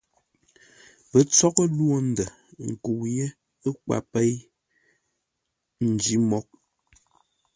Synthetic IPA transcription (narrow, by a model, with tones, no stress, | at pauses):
pə˨˦t͡sɔ˦kə˦lwo˦˨n̩˦də˨ | ŋ̩˨ku˨wje˦ | ə˦kwa̰˨pe˦j | n̩˨d͡ʒi˦mɔ˦k̚